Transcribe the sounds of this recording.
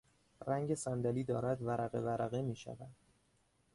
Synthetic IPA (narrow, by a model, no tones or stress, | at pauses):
ɾæŋɟe̞sænd̪æliːd̪ɒːɾæd̪væɾæɣe̞̰væɾæɣemiːʃæ̰væd̪̥